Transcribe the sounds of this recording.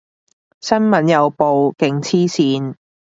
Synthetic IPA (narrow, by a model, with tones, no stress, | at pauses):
sɐ˥nmɐ˨˥njɐ˨˧wpo˨wkɪ˨˥ŋt͡sʰiː˥siː˨˧n